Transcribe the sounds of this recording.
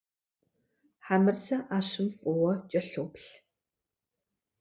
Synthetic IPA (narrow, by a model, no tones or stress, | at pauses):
ħamɨrzɐʔaːʃɨmfʷʼɔwɐt͡ʃʼɐɬoːpɬ